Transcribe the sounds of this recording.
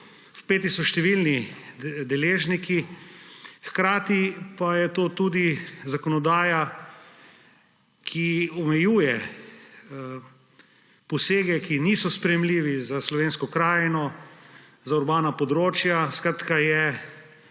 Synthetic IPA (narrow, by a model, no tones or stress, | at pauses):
wpeːt̪isɔʃt̪ɛʋilnid̪ɛleːʒniki | xkɾaːt̪ipajɛt̪oːt̪uːd̪izakɔnɔd̪aːja | kʰiɔmɛjuːjɛ | pɔseːɡɛkinisɔspɾɛjɛmliːʋizaslɔʋeːnskɔkɾaːjnɔ | zauɾbaːnapɔd̪ɾoːt͡ʃjaskɾat̪kajɛ